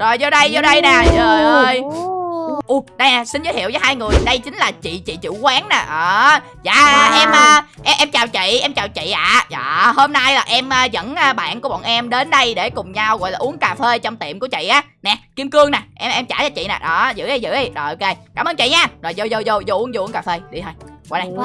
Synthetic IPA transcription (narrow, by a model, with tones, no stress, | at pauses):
zo˨˩jzɔ˧ɗə˧jzɔ˧ɗə˧jna˨˩zəː˨ə˧˩j | ʔu˧ɗa˧jna˧˩sï˧n̟zə˨˦hi˧˨wəː˨˦haː˧jŋɨ˨˩əjɗə˧jt͡ɕï˨˦ŋ̟laː˨˩t͡ɕḭ˧˨t͡ɕḭ˧˨t͡ɕɨ̰˧˩˨kwaː˨˦ŋna˨˩ʔəː˨˩ | za̰ː˧˨˩ʔɛ˧mʔəː˧ʔɛ˧ʔɛ˧mt͡ɕaː˨˩wt͡ɕḭ˧˨ʔɛ˧mt͡ɕaː˨˩wt͡ɕḭ˧˨ʔaː˨˦zɔː˨˩ho˧mna˧jlaː˨˩ʔɛ˧mʔəː˧zə̰˧˥nː˧ɓa̰ː˧˨nku˨˩˦ɓɔ̰˧˨nʔɛ˧mɗe˨˦nɗə˧jɗe˧˩kʊ˨˩ŋ͡mɲa˧wɣɔ̰˧˨lːʔu˨˦ənkaː˨˩fe˧t͡ɕɔ˧wŋ͡mt̪ḭ˧˨əmku˧˩ət͡ɕḭ˧˨ʔaː˨˦nɛ˨˩ki˧əmkɨ˧əŋna˨˩jʔɛ˧mʔɛ˧mt͡ɕaː˧˩t͡ɕɔ˧wt͡ɕḭ˧˨naɛ˨˩ɗɔ˨˩zɨ̰˧˥ʔə˧˩jzɨ̰˧˥ʔə˧˩jɗɔ˨˩ʔo˧ke˧kaː˧˩mʔəː˧˩nt͡ɕḭ˧˨ɲaː˧zɔ̰˨˩jzo˧zo˧zo˧zo˧ʔu˨˦ənzo˧ʔu˨˦əŋkaː˨˩fe˧ɗi˧t̪ʰo˧jɣɔ̰˨˧˨jɗa˧j